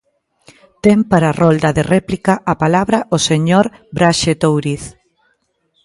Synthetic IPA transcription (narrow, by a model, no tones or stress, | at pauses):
t̪empaɾarold̪aðerɛplikaʔapalaβɾaoseɲoɾbɾaʃet̪owɾiθ